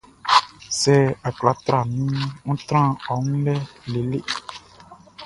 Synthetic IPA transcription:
sɛ˦a˨kla˨t̪ɾa˨nĩ˦ŋ̩˦t̪ɾã˦ɔ˨ŋũ˦lɛ˦le˨le˦

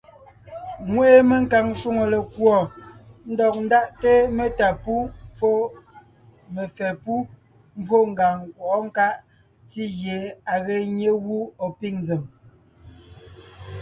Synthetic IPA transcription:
ŋwe˦e˦me˨ŋ˦ka˨ŋʃu˦ŋo˨le˨kwɔ˨n̩˦dɔ˨k̚n̩˦da˦˨ʔte˦me˨ta˨pu˦p͡fo˦ | me˨fɛ˨pu˦ | m˦bwo˦˨ŋ˨ɡa˨ŋkwɔ˨ʔɔ˦ŋ̩˦ka˦ʔ | ti˦ɣje˨a˨ɣe˨ɲe˦ɣu˦ɔ˨pi˦ŋnd͡ze˨m

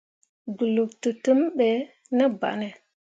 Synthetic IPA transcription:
ɡu˨lu˨ktu˨tu˦mɓe˨ | nə˦ba̰˨ʔne˨

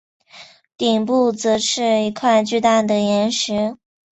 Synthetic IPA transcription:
t̪i˨˩ŋpu˥˩t͡sɤ˧˥ʂɻ̩˥˩i˧˥kʰwa˥˧ɪt͡ɕy˥˧t̪a˥˩d̪ə˩jɛ˧˥nʂɻ̩˧˥

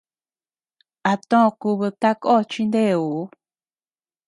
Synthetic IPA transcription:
a˨t̪õ˦˧ku˧βɨ˧t̪a˦ko˦˨˧t͡ʃi˦nd̪e˦˨u˨˦

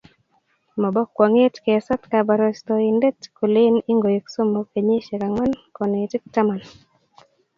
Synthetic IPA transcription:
mɔ˨bɔ˦kʷːwɔ˨ŋe˦tke˨sɔ˦tka˨ba˨ɾo˨stɔ˨i˨nde˦tku˨lɪ˦ni˦ŋɡo˨je˨kso˦mːo˨ke˨ɲe˦ʃe˨ka˨ŋwa˦nkɔ˨ne˨tɪ˦k̚ta˦ma˨n

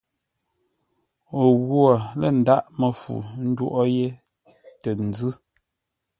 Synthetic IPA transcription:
o˨ɣwo˨lə˦˨n̩˨da˦ʔmə˨fṵ˨n̩˦dwo˦˨ʔɔ˦je˦ | tə˨n̩˨d͡zʉ˦

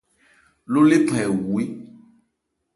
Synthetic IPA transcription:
lo˦le˦pʰɛ˨wu˨i˦

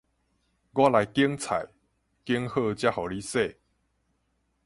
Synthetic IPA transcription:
ɡwa˦la˨˦jki˦əŋt͡sʰa̰˨˩j | ki˦ŋhə˥˧t͡ɕja˦hɔ˨˩li˦se˥˨

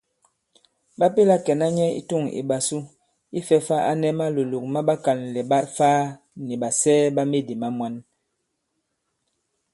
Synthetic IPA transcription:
ɓa˦pe˦la˦kɛ˨na˦ɲɛ˦ḭ˦tu˦˨ŋḭ˨ɓa˨su˦ | i˦fɛ˦fa˦a̰˦nɛ˦ma˦lo˨lu˨k̚ma˦ɓa˦ka˨nlɛ˨ɓa˦tfaː˦ | ni˨ba˨sɛː˦ba˦me˦di˨ma˦mwa˦n

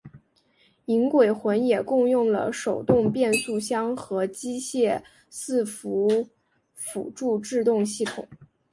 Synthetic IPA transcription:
i˧˥ŋkwe˨˩ɪxwə˧˥njɛ˨˩kʊ˥˧ŋjʊ˥˩ŋlə̰˩ʂo˨˩ʊt̪ʊ˥˧ŋpjɛ˥˧nsu˥˩ɕjɑ˥ŋxɤ˧˥t͡ɕi˥ɕjɛ˥˧ | sɹ̩˥˩fu˧˥ | fṵ˨˩ʈ͡ʂu˥˧ʈ͡ʂɻ̩˥˧t̪ʊ˥˧ŋɕi˥˩t̪ʰʊ̰˨˩˦ŋ

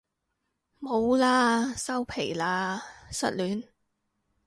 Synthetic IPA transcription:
mo˨˧wlaː˧˥sɐ˥wpʰe˨˩jlaː˧sɐ̰˥t̚lyː˨˥n

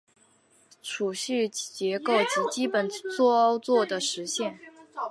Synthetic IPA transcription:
ʈ͡ʂʰu˨˩ɕy˥˩t͡ɕjɛ˧˥ko˥˩ʊt͡ɕi˧˥t͡ɕi˥pə˨˩nt͡swɔ˥˩ɔ˥ʊt͡swɔ˥˩d̪ə˩ʂɻ̩˧˥ɕjɛ˥˩n

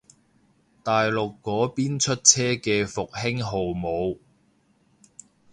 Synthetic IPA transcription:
t̪aː˨jlʊ˨kːɔː˨˥piː˥nt͡ʃʰɵ˥t̚t͡sʰɛː˥kɛː˧fʊ˨k̚hɪ˥ŋɦo˨wmo˨˧w

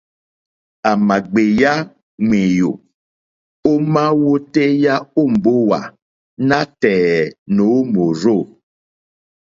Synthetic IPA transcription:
a˨ma˨ɡ͡be˨ja˦ | ŋe˨jo˨ | o˦mã˦wo˦te˦ja˦o˦˨m̩˨bo˦wa˨ | nã˦tɛ˨no˨˦mo˨ɾo˦˨

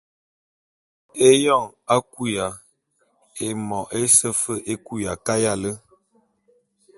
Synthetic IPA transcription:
e˦jɔ˦˨ŋa˦ku˦ja˨ | e˨mɔ˨ʔe˦sə˦fə˦ʔe˦ku˦ja˨ka˦ja˦˨lə˦

